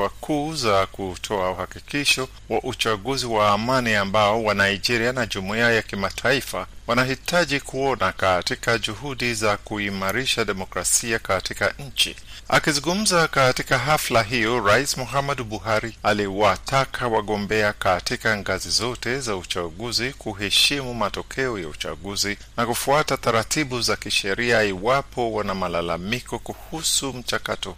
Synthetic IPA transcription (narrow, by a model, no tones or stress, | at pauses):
akʰuːzakutʰɔauhakikiʃɔ | waʔut͡ʃaɠuziwaːmaniambaɔwanaid͡ʒɛɾianaʄumuiajakimatʰaifa̰wanaɦitaʄikʰuɔnakatikad͡ʒuɦuɗizakuimaɾiʃaɗɛmɔkɾasiakatikaɲ̩t͡ʃḭ | a̰kizuŋɡum̩zakatikaɦaflaɦijɔɾaismɔɦamɛdɓuɦaɾialiwatakʰawaɠɔmbɛakatikaŋɡazizɔtɛzaut͡ʃaɠuzikuɦɛʃimumatɔkʰɛɔjaut͡ʃa̰ɠuzi | nakufuatataɾatiɓuzakiʃɛɾiaiwapʰɔwanamalalamikɔkuhusum̩t͡ʃakatɔhu